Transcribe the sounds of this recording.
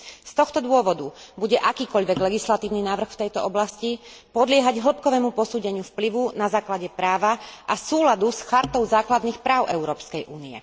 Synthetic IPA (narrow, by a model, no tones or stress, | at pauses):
st̪ɔxt̪ɔd̪ʊɔʋɔd̪ubuɟɛʔakiːkɔʎʋɛɡlɛɡislat̪iːʊninaːʋr̩xft̪ɛjt̪ɔɔblascipɔd̪lɪɛɦaɟɦl̩p̚kɔʋɛːmupɔsuːɟɛɲɪufpliʋunazaːklaɟɛpɾaːʋaʔasuːlad̪usxaɾt̪ɔʊzaːklad̪nixpɾaːʊʔɛʊɾɔːpskɛjʔuːniɛ̰